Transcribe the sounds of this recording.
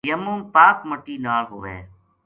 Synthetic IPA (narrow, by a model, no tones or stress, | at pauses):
jəmũːŋpaːkməʈiːnaːɭɦʊʋḛː